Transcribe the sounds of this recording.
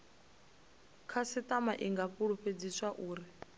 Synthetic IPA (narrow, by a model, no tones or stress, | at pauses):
kʰasit̪ʼamaʔiŋɡapuɺuɸed͡zisaʔuːɾi